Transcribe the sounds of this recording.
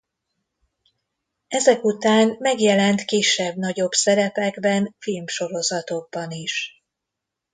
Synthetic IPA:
ɛzɛkut̪aːnmɛɡjɛlɛnt̪kiʃːɛbnɒɟo̞bsɛɾɛpɛɡbɛnfilmʃo̞ɾo̞zɒt̪o̞b̚ːɒniʃ

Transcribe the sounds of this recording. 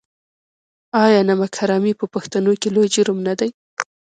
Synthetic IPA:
ɑjɑnamakʰaɾɑmipəpaxt̪anokelojd͡ʒʊɾʊmnad̪aj

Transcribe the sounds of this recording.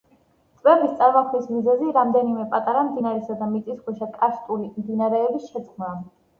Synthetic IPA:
t̪sʼbɛbist̪sʼaɾmakʰnismizɛziɾamd̪ɛnimɛpʼat̪ʼaɾamd̪inaɾɛsad̪amit̪sʼisɡwɛʃakʼast̪ʼulimd̪inaɾɛːbisʃɛd̪zɡna

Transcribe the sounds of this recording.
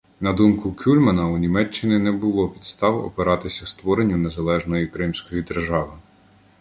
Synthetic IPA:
nɐd̪umkʊkʲulʲmɐnɐunʲimɛt͡ʃːɪnʲɪnɛbʊlˠɔpʲi̥d̪st̪ɑwɔ̰peɾɑt̪ɪsʲɐst̪ʋɔɾenʲːunezɐlˠɛʒnɔjikɾɪmsʲkɔjid̪erʒɑʋɪ

